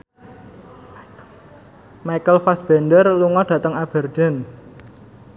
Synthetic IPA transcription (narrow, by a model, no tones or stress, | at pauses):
majkəlfasb̥ɛndərluŋɔɖ̥ä̤t̪əŋab̥ə̤rd̥ɛ̤n